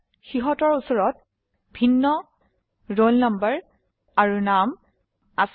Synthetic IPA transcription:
xiɦɔtɔɹusɔɹɔt̚ | bʱinːɔ | ɹolnambəɹ | aɹunam | as

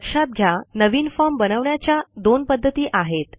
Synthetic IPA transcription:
ɕab̪̚ɡʱjanəʋiːnfɔɾmbənəʋɳjat͡ɕjad̪onpəd̪ʱːət̪iːʔaɦet̪

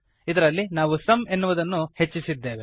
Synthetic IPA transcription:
id̪ɐɾɐlːinaːʋusɐme̞nːuʋud̪ɐnːuhe̞t͡ʃːisid̪ːe̞ːʋe

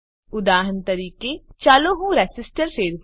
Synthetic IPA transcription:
ʊd̪aːɦənt̪əɾiːket͡ʃaːlõːɦũːɾɛːsɪsʈəɾpʰeːɾ

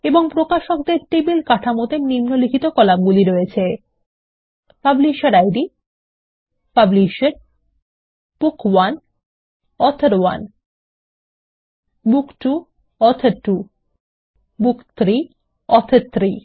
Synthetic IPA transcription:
eboŋpɾokaʃokd̪eɾʈebilkaʈʰamot̪enimnolikʰit̪okɔlab̚ɡuliɾojet͡ɕʰe | pabliʃeɾajɖi | pabliʃeɾ | b̥ukwan | ɔt̪ʰəɾwa̰n | bukʈu | ɔt̪ʰeɾʈu | bukt̪ʰɾi | ɔt̪ʰeɾt̪ʰːɾi

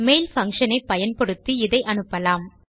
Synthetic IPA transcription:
meːlfɐŋʂɐnɐɪpːɐjɐnpɔɽɯt̪ːɯɪðɐɪʔɐnɯpːɐlaːm

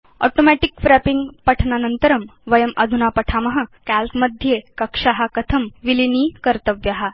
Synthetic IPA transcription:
ɔ̰ʈomæʈikfɾæpiŋɡpɐʈʰnanənt̪əɾɐmʋɐjəmɐd̪ʱunapɐʈʰamɐɦɐ̆kælpməd̪ʱjekɐkʂaɦakɐt̪ʰəmʋiliniːkɐɾt̪əʋjaɦa

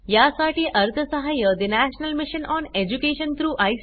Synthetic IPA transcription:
jasaʈiːʔəɾt̪ʰəsəɦajəd̪inæɕnəlmɪɕənɔned͡ʑukeɕənt̪ʰɾuːʔaj

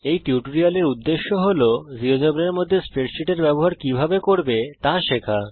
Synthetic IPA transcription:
ejʈiuʈoɾialeɾud̪ːeʃːoɦolod͡ʑiɾod͡ʑobɾeɾmod̪ʱːespeʈʃiʈeɾbɛboɦaɾkibʱabekoɾbet̪aʃekʰa

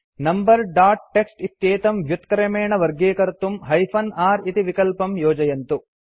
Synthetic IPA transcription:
nɐmbɐɾɖaːʈ̚ʈːeksʈit̪jeːt̪ɐmʋjut̪kɐɾɐmeːɳɐʋɐɾɡeːkɐɾt̪umɦɐjpʰɐnaːɾit̪iʋikɐlpɐmjɔːd͡ʒɐjɐnt̪u

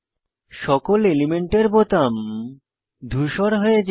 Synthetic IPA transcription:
ʃɔkolelimeɳʈeɾbot̪am | d̪ʱuʃɔɾɦojed͡ʑ

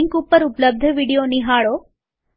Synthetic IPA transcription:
ŋkuːpːɐɾuplɐb̚d̪ʱɐʋiːɽijoːniɦaːɭoː

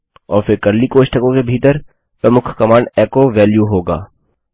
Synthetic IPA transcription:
ɔ̰ːɾfɪɾkɐɾlikoːʃʈəkõkebʱiːt̪əɾ | pɾɐmʊkʰkɐmãːɳɖɛːkoʋɛːljuɦoːɡa̰ː

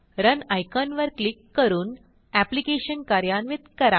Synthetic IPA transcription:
ɾənajkanʋəɾklikːəɾuːn | æplikeɕənkaɾjanʋit̪kəɾa

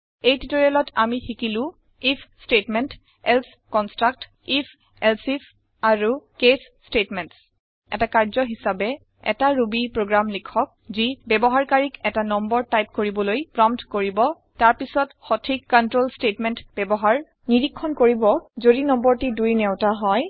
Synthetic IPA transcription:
ejtitoɹialɔtamixikilʊ̃ | ipʰstetmɛnt | ɛls | kɔnstɹak̚t | ipʰ | ɛlsif | aɹukesːtetmɛnts | ɛ̰takaɹzɔɦisabɛ | ɛ̰taɹubipɹoɡɹamlikʰɔk̚zibɛbɔɦaɹkaɹikɛtanɔmbɔɹtajp̚koɹibɔlojpɹɔmtkoɹibɔ | taɹpisɔtxɔtʰikkːɔntɹolstetmɛntbɛbɔɦaɹ | niɹikʰːɔnkoɹibɔzodinɔmbɔɹtidujnewtaɦɔj

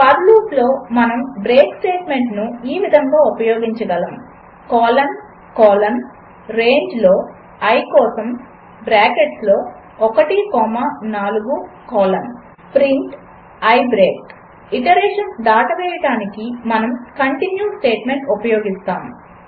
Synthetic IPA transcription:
pɐɾluːslo̞ːmɐnɐmbɾeːksʈeːʈme̞ɳʈnuiːʋid̪ʱɐŋɡaːupɐjoːɡiɲt͡ʃɐɡɐlɐm | kɔːlɐn | kɔːlɐn | ɾe̞ːɲd͡ʒlo̞ː | ɐjkɔːsɐm | bɾaːkeʈslo̞ː | ɔkɐʈikɔːmanaːluɡukɔːlɐm | pɾiɳʈ | ɐjbɾeːk̚ | iʈɐɾeːʂɐnsd̪aːʈɐʋɛːjɐɽaːnikimɐnɐmkɐɳʈinjuːsʈeːʈme̞ɳʈupɐjoːɡist̪aːm

